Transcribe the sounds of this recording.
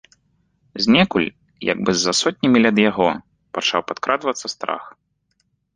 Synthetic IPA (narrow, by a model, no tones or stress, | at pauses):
zʲnʲɛkulʲ | ja̰ɡ̚bɨzːasɔt̪ʲnʲɐmʲilʲɐd̪jaɣɔ | pat͡ʂawpat̪kɾʔad̪vɐt̪sːɐst̪ɾa̰x